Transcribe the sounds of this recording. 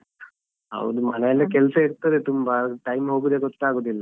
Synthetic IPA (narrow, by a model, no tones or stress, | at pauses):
ɦɐ̰wd̪umɐnɛjɐlːɐkɛlɐsɐiɾt̪ɐd̪et̪umbɐʈɐjmɦoːɡud̪eɡɔʈːaːɡoːd̪ilːɐ